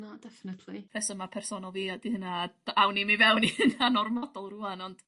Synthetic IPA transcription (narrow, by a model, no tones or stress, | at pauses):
nad̥ɛfnɛdlipʰɛsəmapʰɛrsɔnɔlˠviːadihənḁawnimivɛwnihənanɔrmɔdɔlˠruanɔnd̥